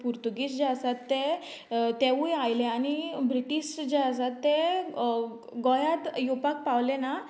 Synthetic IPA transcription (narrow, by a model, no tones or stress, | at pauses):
puɾt̪uɡisd͡ʑeəsat̪ːɛ | t̪ɛujajlɛ̃añibɾiʈiɕd͡ʑeəsat̪ːɛ | ɡɔjat̪jopak̚paʋlɛna